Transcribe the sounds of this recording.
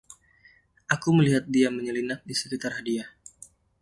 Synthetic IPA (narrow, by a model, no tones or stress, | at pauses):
ʔakuməliɦat̪̚diaməɲəlinak̚disə̥kit̪arɦadia